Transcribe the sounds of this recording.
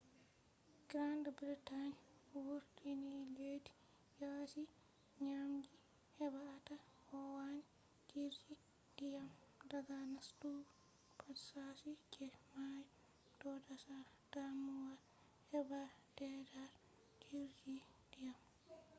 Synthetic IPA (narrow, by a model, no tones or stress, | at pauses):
ɡ̥ɾandbɾitanwuɾdiniledi̥ | jasi | ɲamɡi | hɛbaːta | hɔwan | d͡ʒiɾd͡ʒi | d̥ijamdaɡanastu | pʰatsasikɛmaj | d̥ɔdasa | d̥amuwa | hɛbad̥ɛdaɾ | d͡ʒiɾd͡ʒi | d̥ijam